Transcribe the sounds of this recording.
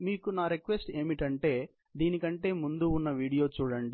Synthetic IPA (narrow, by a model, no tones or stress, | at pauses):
miːkunaːɾekʋesʈe̞ːmiʈɐɳʈe̞ː | d̪iːnikɐɳʈe̞ːmund̪unːɐʋiːɽijo̞ːt͡ʃuːɽɐɳɖi